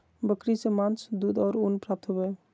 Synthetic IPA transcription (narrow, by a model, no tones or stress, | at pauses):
bəkɾisemant͡ʃd̪ud̪ɔːɾonpɾaːp̚t̪ɦobe